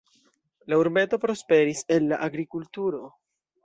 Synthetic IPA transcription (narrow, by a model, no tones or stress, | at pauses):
lauɾme̞to̞pɾo̞spe̞ɾise̞nːaʔaɡɾikultuɾo̞